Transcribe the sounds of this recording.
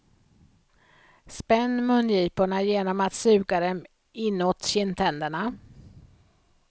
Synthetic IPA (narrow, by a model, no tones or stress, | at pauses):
spɛnːmɵnːjiːpʊɳajeːnɔmat̪sʉ̟ːɡad̪ɛm | ɪnːoːt̪ɕɪnt̪ʰɛnd̪əɳa